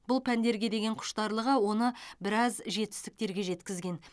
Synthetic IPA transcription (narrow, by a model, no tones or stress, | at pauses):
bʊlˠpʰænd̪e̞ɾɡʲe̞d̪e̞ɡʲe̞ɴqʰʊ̥ʃt̪ɑɾlˠəʁəwo̞nəbɪɾɑzʒe̞t̪ɪ̥st̪ɪ̥k̚t̪e̞ɾɡʲe̞ʒe̞t̪kʲɪzɡʲe̞n